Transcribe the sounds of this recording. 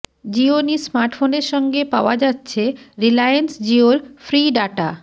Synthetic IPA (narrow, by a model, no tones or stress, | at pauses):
d͡ʑionismaɾʈfoneɾʃɔŋɡepaoad͡ʑatːɕʰeɾilajensd͡ʑiolfɾiɖaʈa